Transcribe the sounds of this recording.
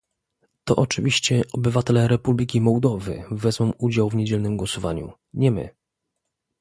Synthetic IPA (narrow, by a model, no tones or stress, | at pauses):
t̪ɔ̰ʔɔt͡ʂɘvʲiɕt͡ɕɛʔɔbɘvat̪ɛlɛɾɛpublʲik̬ʲimɔwd̪ɔvɘ̰vɛzmɔ̃mud͡ʑawvɲed͡ʑɛlnɘmɡwɔsɔva̰ɲṵ | ɲɛmɘ̰